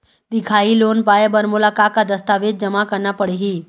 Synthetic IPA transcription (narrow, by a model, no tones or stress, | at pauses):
d̪ɪkʰaːiloːnpaːebɐɾmʊlaːkaːt̪̚kad̪ɐst̪aːʋeːd̪̚d͡ʒɐmakɐɾnapɐɽiɦiː